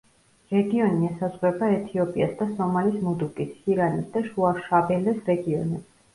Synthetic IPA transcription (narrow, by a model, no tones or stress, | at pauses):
ɾɛɡiɔniɛsazʁwɛbaɛt̪ʰiɔpʼiasd̪asɔmalismud̪ukʼisiɾanisd̪aʃuaʃabɛlɛsɾɛɡiɔnɛbs